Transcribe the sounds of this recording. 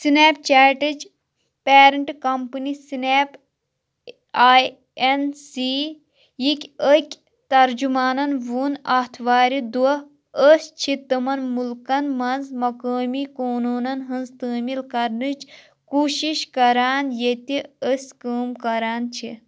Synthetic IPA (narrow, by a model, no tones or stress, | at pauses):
sineːp̚t͡ʃaːʈid͡ʒ | peːɾɐɳʈkɐmpɨnisineːp | aːj | ensi | jikʲəkʲ | t̪ɐɾd͡ʒumaːnɐnʋuːnɐht̪ʰʋaːɾid̪uɐ | əsʲt͡ʃʰit̪ɨmɐnmulkɐnmɐnzmɐkəːmikoːnuːnɐnɦɐnzt̪əːmilkɐɾnɨt͡ʃ | kuːʃiʃkɐɾaːnjet̪iəsʲkəːmkɐɾaːnt͡ʃʰi